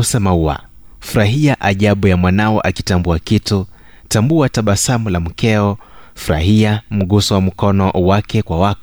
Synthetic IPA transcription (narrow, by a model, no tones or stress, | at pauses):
usɛmaua̰ | fuɾaɦiaʔaʄaɓujamwanaɔʔakitambuakitu | tambuataɓasamulam̩kɛɔfuɾa̰hiam̩ɠusɔwam̩kɔnɔʔwakɛkwawak